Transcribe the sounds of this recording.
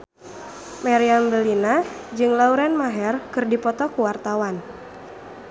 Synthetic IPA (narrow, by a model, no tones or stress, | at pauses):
maɾianbəlinad͡ʒɨŋlauɾɛnmaɦɛrkɨrdipɔt̪ɔkuwart̪awan